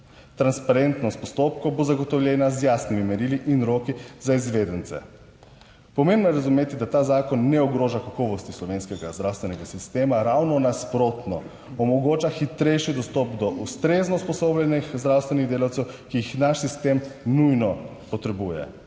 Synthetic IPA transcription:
t̪ɾanspaɾent̪nɔst̪̚pɔst̪oːpkowbozaɡɔt̪ɔwljɛnazjaːsnimimɛɾiːliʔinɾoːkizaizʋed̪ənt̪sɛ̰ | pɔmembnɔjɛɾazumeːt̪id̪at̪aːzaːkɔnːɛɔɡɾoːʒakakɔːʋɔst̪islɔʋenskɛɡazd̪ɾawst̪ʋɛnɛɡasist̪eːmaɾawnɔnaspɾot̪nɔ | ɔmɔɡoːt͡ʃaxit̪ɾɛjʃid̪ɔst̪ɔpd̪ɔʔust̪ɾeːznɔspɔsoːblʲɛnixzd̪ɾawst̪ʋɛniɣd̪eːlawt̪sɛwkiixnaʃsist̪emnujnɔ | pɔt̪ɾɛbuːjɛ̰

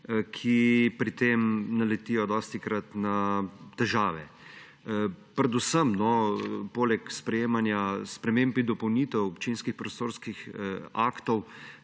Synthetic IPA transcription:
kʰipɾit̪emnalɛt̪iːjɔd̪ɔːst̪ikɾat̪nat̪ɛʒaːʋɛ | pɾɛd̪ʊsəmnɔpoːlɛkspɾɛjeːmanjaspɾɛmeːmpid̪ɔpɔwnit̪ɛwɔpt͡ʃinskixpɾɔst̪oːɾskixa̰ːkt̪ɔw

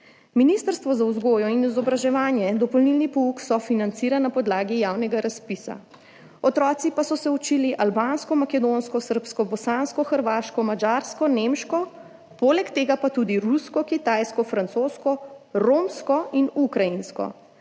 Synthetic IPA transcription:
minist̪əɾst̪ʋɔzawzɡoːjɔinizɔbɾaʒɛʋaːnjɛd̪ɔpɔlnilnipɔuksɔfinant̪siːɾanapɔd̪laːɡijaːwnɛɡaɾaspisa̰ | ɔt̪ɾɔːt̪sipasɔsɛut͡ʃiːliʔalbaːnskɔmakɛd̪onskɔsəɾpskɔbɔsanskɔxəɾʋaːʃkɔmad͡ʒaːɾskɔnemʃkɔ | poːlɛkt̪eːɡapat̪ud̪iɾuskɔkit̪ajskɔfɾant̪soːskɔɾomskɔinukɾajinskɔ̰

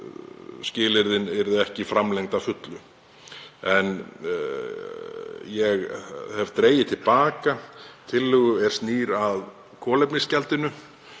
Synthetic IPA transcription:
scɪːlɪɾðɪnɪɾðɪɛhcɪfɾamlejŋt̪afʏt̪lʏ | ɛn | jɛɣhɛvt̪ɾeːjɪt̪ʰɪlpaːkat̪ʰɪlːʏɣʏɛɾ̥st̪niːɾað | kʰɔːlɛjpnɪscɛlt̪ɪnʏ

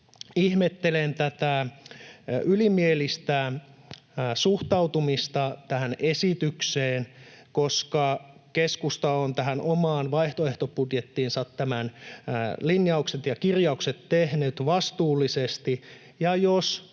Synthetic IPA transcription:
ihmet̪ːelent̪æt̪æ | ylimielist̪æ | suht̪ɑwt̪umist̪ɑt̪æhænesit̪ykseːnkoskɑkeskust̪ɑont̪æɦænʔomɑːnʋɑiht̪oeht̪opudjet̪ːiːnsɑt̪ːæmæn | linjɑukset̪jɑkirjɑukset̪tehnyt̪ʋɑst̪uːlːisest̪i | jɑjos

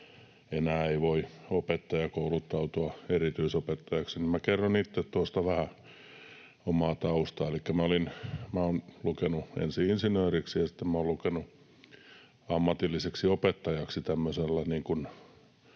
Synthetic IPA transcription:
enæːeiʋoiopet̪ːɑjɑkoulut̪ːɑut̪uɑerit̪yisopet̪ːɑjɑksinimækerːonit̪ːet̪t̪uost̪ɑʋæhæ | omɑːt̪ɑust̪ɑelikːæmæolinmæoːnlukenuḛnsiinsinøːriksijɑsi̥t̪ːemmæoːlukenu | ɑmːɑt̪ilːiseksiopet̪ːɑjɑksit̪æmːøselːɑniːŋkun

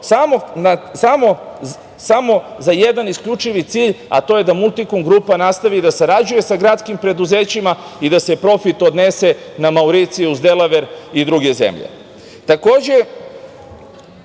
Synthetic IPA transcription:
samonasamo̞ | samo̞zaje̞d̪aniskʎut͡ʃiʋit̪siːʎa̰t̪o̞ːje̞d̪amulˠt̪ikoŋɡɾupanast̪aʋid̪asaɾad͡ʑuje̞saɡɾat̪skimpɾe̞d̪uze̞ːt͡ɕima | id̪ase̞pɾo̞fit̪od̪ne̞se̞namauɾit̪siuzd̪elaʋeɾid̪ɾuɡe̞zḛmʎḛ | t̪ako̞ːd͡ʑe̞

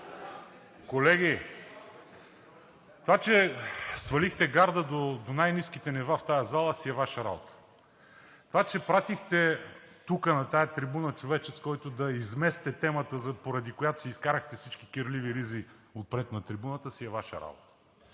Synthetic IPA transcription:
kolɛɡʲi | t̪ovat͡ʃɛsvɐlixt̪ɛɡaɾd̪əd̪od̪onajniskit̪ɛnɛvaft̪ajɐzalˠəsiɛvaʃəɾa̰bo̰t̪ə̥ | t̪ovat͡ʃɛpɾat̪ixt̪ɛt̪ukənɐt̪ajɐt̪ɾibunət͡ʃovɛt͡ʃɛt̪skɔjt̪od̪ɐizmɛst̪ɛt̪ɛmət̪əzɐpoɾɐd̪ikojat̪ʊ̥siiskaɾɐxt̪ɛfsit͡ʃkikəɾliviɾizi | ot̪̚pɾɛt̪nɐt̪ɾibunət̪əsiɛvaʃə̰ɾa̰bo̰t̪ə̥

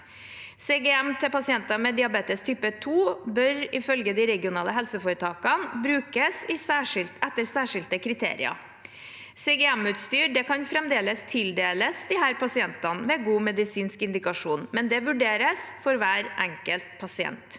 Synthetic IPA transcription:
seɡɛɛmt̪ʰɛpɑsɪɛnt̪ɑmɛd̪ɪɑbeːt̪əst̪ʰyːpət̪ʰuːbœɾɪfœlɡəd̪ɪɾɛɡɪʊnɑːləɦɛlsəfoːɾət̪ʰɑːkɑnbɾʉːkəsɪsæːʂɪlt̪ɛt̪ːəɾsæːʂɪlt̪əkʰɾɪt̪ʰḛːɾɪ̰ɑ̰ | seːɡɛɛmʉːt̪st̪yːɖɛkɑnfɾɛmd̪eːləst̪ʰɪld̪eːləsd̪ɪhæːɾpɑsɪɛnt̪ɑnmɛɡuːmɛd̪ɪsiːnskɪnd̪ɪkɑʂuːnmɛnd̪ɛʋʉɖeːɾəsfɔɾʋæːɾʔɛŋkəlt̪̚pʰɑsɪɛ̰nt̪

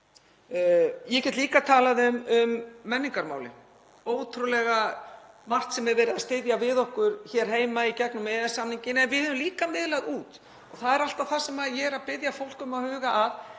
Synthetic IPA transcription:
jɛcɛt̪liːkat̪ʰaːlaðʏmʏmːɛnːiŋkaɾma̰ːwlɪ̰ | oːwt̪ʰɾulɛɣa | mar̥t̪sɛmɛɾvɛːɾɪðast̪ɪðjavɪðɔhkʏɾ̥çɛɾ̥ɦeːjmaicɛknʏmɛːðɛsamniɲcɪnɛnvɪðhɛːðʏmliːkamɪðlaɣðuːt̪ | ɔɣθaðɛɾal̥t̪aθasɛmaðjɛɛɾaðpɪðjafowl̥kʏmaðhʏːɣaʔːð

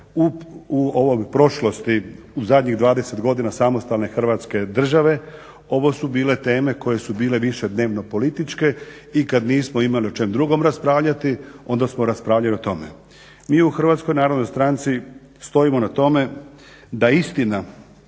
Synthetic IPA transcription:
uuo̞ʋo̞jpɾo̞ʃlo̞st̪i | uzad̪ʲɲiɣd̪ʋaːd̪e̞se̞t̪ɡo̞d̪inasamo̞st̪alˠne̞xr̩ʋaːt̪ske̞d̪r̩ʒaʋe̞ | o̞ʋo̞subiːle̞t̪e̞ːme̞ko̞je̞subiːle̞ʋiʃe̞d̪ne̞ːʋno̞po̞lit̪it͡ʃke̞ | ikad̪niːsmoimalio̞t͡ʃe̞md̪ɾuɡo̞mɾaspɾaːʋʎat̪io̞nd̪asmo̞ɾaspɾaːʋʎalio̞t̪o̞mḛ | miːuxr̩ʋaːt̪sko̞jnaːɾod̪nojst̪ɾant̪si | st̪o̞imo̞nat̪o̞me̞ | d̪aist̪ina

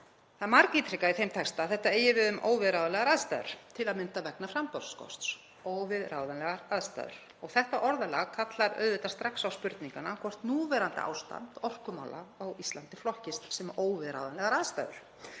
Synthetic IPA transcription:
θaðmaɾkit̪ɾikaiθejmt̪ʰɛkst̪aθɛht̪ːaeːjɪvɪðʏmʔoːwvɪðɾawðanɛɣaɾaðst̪a̰ːjðʏ̰ɾ̥t̪ʰɪlaðmɪnt̪avɛknafɾampɔɾskʰɔ̰st̪s | oːwvɪðɾawðanɛɣaɾaðst̪a̰ðʏ̰ɾ̥ | ɔɣθɛht̪aʔɔɾðala̰kʰat̪laɾœ̰ːðʏt̪ast̪ɾaksawspʏɾt̪niŋkanːakʰvɔr̥t̪nuːvɛɾant̪ɪ̰ʔa̰ːwst̪a̰nt̪ɔr̥kʏma̰wlʔa̰ːwist̪lant̪ɪflɔhcɪst̪sɛmoːwvɪðɾa̰wðanlɛɣaɾaðst̪a̰jðʏ̰ɾ̥

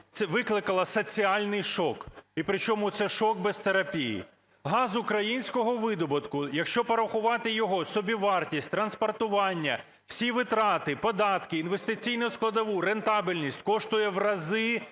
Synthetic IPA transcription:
t̪ɛʋɪklˠɪkɐlˠɐsɔt͡sʲiɑlʲnɪjʃɔkipɾɪt͡ʃɔmʊt̪sɛʃɔk̚bɛst̪eɾɐpʲijḭ | ɦɑzʊkɾɐjinʲsʲkɔɦɔʋɪd̪ɔbɐt̪kʊjɐkʃt͡ʃɔpɐɾɐxʊʋɑt̪ɪjɔɦɔsɔbʲiʋɑrtʲisʲtʲt̪ɾɐnspɔrt̪ʊʋɑnʲːɐ | w̥sʲiʋɪt̪ɾɑt̪ɪpɔd̪ɑt̪kɪːnʋest̪ɪt͡sʲijnʊsklˠɐd̪ɐʋuɾent̪ɑbilʲnʲisʲtʲkɔʃt̪ʊjɛʋrɐzɪ

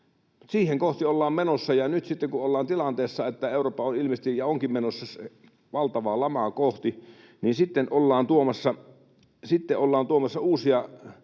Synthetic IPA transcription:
msiːheŋkoht̪iolːɑːmmenosːɑjɑnyt̪sit̪ːekuolːɑːnt̪ilɑnt̪eːsːɑet̪ːæeˑuroːpːɑonilmest̪ijjɑoŋkimmenosːɑs | ʋɑlt̪ɑʋɑlɑmɑkoht̪i | ninsit̪ːenolːɑːnt̪uomɑsːɑ | sit̪ːeʔolːɑːnt̪uomɑsːɑuːsiɑ

